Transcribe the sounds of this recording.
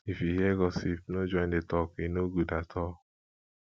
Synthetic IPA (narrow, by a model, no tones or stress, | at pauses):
ifiɦɛɡɔsipnod͡ʒɔ̃j̃ndetɔkinoɡudatʰɔ